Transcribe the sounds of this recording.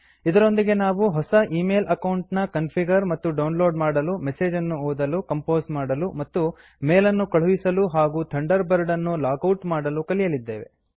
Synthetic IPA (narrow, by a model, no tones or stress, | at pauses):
id̪ɐɾo̞nd̪iɡe̞naːʋuɦɔsɐʔiːmeːlʔɐkɐwuɳʈnɐkɐnpʰiɡɐɾmɐt̪ːuɖɐwnlo̞ːɖmaːɽɐlumɛseːd͡ʒɐnːuoːd̪ɐlukɐmpo̞ːzmaːɽɐlumɐt̪ːu | meːlɐnːukɐɭ̤uʋisɐluɦaːɡuːt̪ʰɐɳɖɐɾbɐɾɖɐnːulaːkɐwʈmaːɽɐlukɐlijɐlid̪ːḛːʋe̞̰